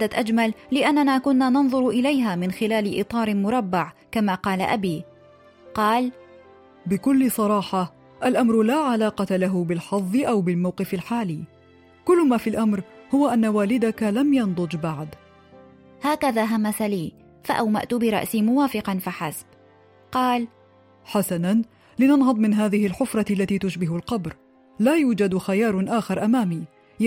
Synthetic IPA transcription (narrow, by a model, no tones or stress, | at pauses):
d̪at̪ʔad͡ʒmalːɪʔanːanaːkʊnːaːnɑnðˤʊɾʔɪlajɦaːmɪnxɪlaːlɪʔɨ̰t̪ˤɑːɾˤmʊɾˤɑbːaʕkamaːqɑːla̰ʔa̰biː | qɑːl | bɪkʊlːɪsˤɑɾˤɑːħɑ | ʔalʔamɾʊlaːʕalaːqɑt̪alaɦʊbɪlħɑðˤːɨʔawbɪlmawqɨfalħaːliː | kʊlːʊmaːfilʔamɾhʊwaʔanːawaːlɪd̪akalamjɑnd̪ˤʊd͡ʒbaʕd̪ | haːkaðaːɦamːasaliː | faʔawma̰ʔt̪ʊbɪɾˤɑ̰ʔsiːmʊwaːfɪqɑnfaħasb | qɑːl | ħasanan | lɪnɑnhɑd̪ˤmɪnɦaːðɪhɪlħʊfɾˤɑalːat̪iːt̪ʊʃbɪɦʊlqɑbɾ | laːjuːd͡ʒad̪xajɑːɾˤʔaːxɪɾˤʔamaːmiː